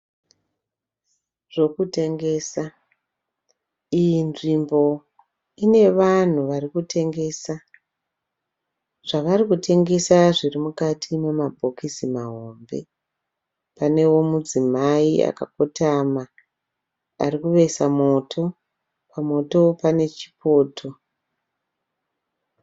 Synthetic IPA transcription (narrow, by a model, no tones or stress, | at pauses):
ʐ̥o̞kute̞ŋɡe̞ːsa | ijinʐimbo̞ | ine̞ʋan̤uʋarikute̞ŋɡe̞ːsa | ʐ̥aʋarikutʰe̞ŋɡe̞saʐirimukatʰimemabʱo̞kisimaɦombe̞̰ | pane̞wo̞mud͡zimaia̰ka̰kotama | a̰rikuʋe̞samo̞tʰo̞ | pʰamo̞to̞pane̞t͡ʃi̥pʰo̞ːtʰo̞